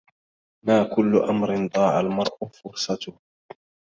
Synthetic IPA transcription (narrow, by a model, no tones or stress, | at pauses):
maːkʊlːʊʔamɾɪnd̪ˤɑːʕalmɑɾˤʔʊfʊɾsˤɑt̪ʊh